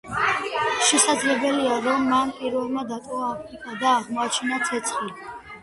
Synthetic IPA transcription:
ʃɛsad̪zlɛbɛliaɾɔmːanpʼiɾvɛlˠmad̪at̪ʼɔaːik̪ʼad̪aːʁmɔat͡ʃʰinat̪sʰɛt̪sʰχili

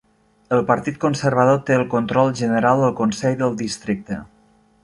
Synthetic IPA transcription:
əlˠpəɾt̪it̪̚kunsəɾβ̞əð̞ot̪eəlˠkont̪ɾɔlˠʒənəɾalˠd̪əlˠkonsɛʎðəlˠd̪ist̪ɾik̚t̪ə̰

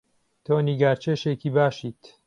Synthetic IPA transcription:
t̪ʰoːniɡaːɾt͡ʃʰeːʃekiːbaːʃiːt̪

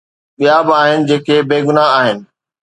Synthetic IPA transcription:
ɓijabɪaːɦɪnɪ̆d͡ʑeːkʰeːbeːɡʊnaɦaːɦɪnɪ̆

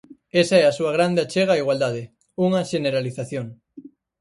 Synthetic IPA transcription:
esaɛasuɐɣ̞ɾand̪eat͡ʃeɣaːiɣwald̪að̞e | uŋɐʃeneɾaliθaθjoŋ

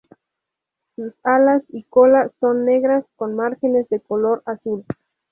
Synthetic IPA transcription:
susalasiko̞laso̞nːe̞ɣɾasko̞nmaɾxe̞nezðe̞kolo̞ɾasul

